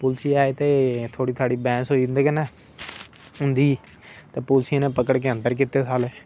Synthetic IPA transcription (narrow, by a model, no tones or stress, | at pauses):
pʊːlsiːaːeːt̪eːt̪ʰoːɽiːt̪ʰaːɽiːbɛ̃ːsoːiːd̪ɪnd̪eːkənɛː | ɦʊ̃nd̪iː | t̪eːpʊːlsij̃ːneːpəkəɽkeə̃nt̪əɾk̬iːt̪ːeːsʰaːleː